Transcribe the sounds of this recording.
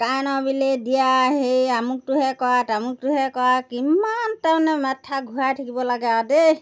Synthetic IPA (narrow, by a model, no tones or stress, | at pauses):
kanɔbiledijaɦejamuk̚tuɦɛkɔatamuktuɦɛkɔakimantɛʊ̃nɛmɛtʰːaɡʱuajtʰikibɔlaɡɛade